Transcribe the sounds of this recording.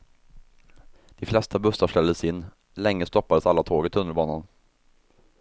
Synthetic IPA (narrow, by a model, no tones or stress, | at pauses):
d̪̥ɪflɛst̪ʰabɵsaʂɛlːəsɪnː | lɛŋːəst̪ɔpːad̪əsalːat̪ʰoːɡɪt̪ʰɵnːəlbɑːnan